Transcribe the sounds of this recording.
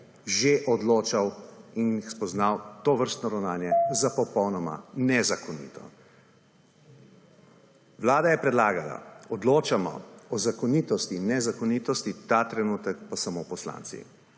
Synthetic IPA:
ʒeʔɔd̪loːt͡ʃawinixspɔznawt̪oːʋəɾst̪nɔɾawnaːnjɛzapɔpɔwnɔma̰nɛzakɔnḭːt̪ɔ̰ | wlaːd̪ajɛpɾɛd̪laːɡala̰ɔd̪loːt͡ʃamɔ̰ɔzakɔniːt̪ɔst̪inɛzakɔnit̪ɔst̪it̪at̪ɾɛnuːt̪ɛkpasamopɔsla̰nsḭ

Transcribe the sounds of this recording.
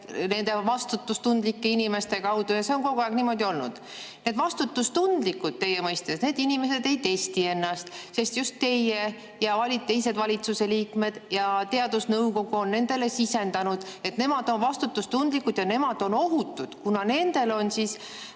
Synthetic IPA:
ne̞nd̪̥e̞vɑst̪ut̪ːˑust̪und̪likːeinime̞st̪e̞kɑwd̪̥ujɑse̞o̞nko̞ɡ̥uæˑɡ̥niːmo̞d̪io̞lnṵd̪̥ | ne̞ːd̪vɑst̪ut̪ːust̪und̪̥likːud̪̥̚t̪ːe̞jemɤjst̪esne̞ːd̪inimes̬e̞d̪e̞jt̪e̞st̪ie̞nːɑst̪se̞st̪just̪ːe̞je | jɑvɑlʲit̪ːe̞jse̞d̪vɑlʲit̪suse̞liːkme̞d̪̥jɑt̪e̞ɑd̪̥usnɤwko̞ɡ̥uonːe̞nd̪e̞le̞sise̞nd̪ɑnud̪̥e̞t̪ne̞mɑd̪̥o̞nvɑst̪ut̪ːust̪und̪likːud̪̥jɑne̞mɑd̪̥o̞no̞ɦut̪ːˑud̪̥kunɑne̞nd̪̥e̞lo̞nsis

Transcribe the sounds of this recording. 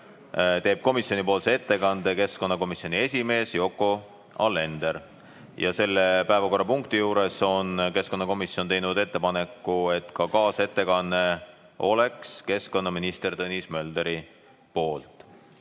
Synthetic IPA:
t̪e̞ːb̥̚ko̞misjo̞nipo̞ːlsee̞t̪ːe̞kɑnd̪̥e̞ke̞sko̞nːɑko̞misio̞nie̞sʲime̞ːsjo̞kːˑo | ɑ̰lːe̞nd̪e̞ɾ | jɑ̰se̞lːepæevɑko̞rːɑpuŋkt̪ijuːɾe̞so̞nke̞sko̞nːɑko̞misjo̞ne̞jnud̪e̞t̪ːe̞pɑne̞kːˑue̞t̪kɑkɑːse̞t̪ːe̞kɑnːe̞ | o̞̰le̞kske̞sko̞nːɑminist̪e̞rt̪ɤnʲismø̞ld̪e̞ɾi | po̞ːlt̪ˑ

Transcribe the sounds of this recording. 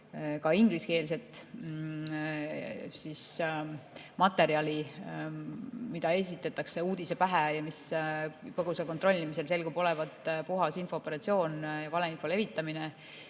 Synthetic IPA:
kɑiŋɡ̥liske̞ːls̬e̞t̪ˑ | sis | mɑt̪ːˑe̞ɾiɑlʲi | mid̪̥ɑe̞s̬ʲit̪ːˑet̪ːˑɑkse̞uːd̪̥ise̞pæɦejɑmis | pɤɡ̥uselkot̪ɾro̞lʲːimis̬e̞lse̞lɡubo̞le̞vɑt̪ˑpuɦɑsinfo̞ːpːˑe̞ɾɑt̪sio̞ːnjɑvɑleinfo̞le̞vit̪ˑːɑmine

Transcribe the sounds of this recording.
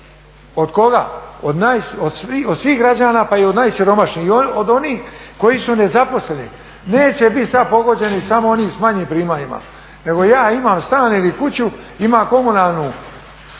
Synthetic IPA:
od̪ko̞ɡa̰ːod̪najsod̪siod̪sʋiːɦɡɾad͡ʑaːnaːpaiod̪najsjiɾo̞maʃniːhood̪oniːxko̞jisune̞zapo̞slenḭ | neːt͡ɕe̞bit̪ʲsad̪̚po̞ɡo̞d͡ʑe̞nisamo̞oniːsmaɲiːmpɾiːmaɲima̰ | neɡo̞jaːimaːmst̪aːnilikut͡ɕu | imako̞munaːlˠnu

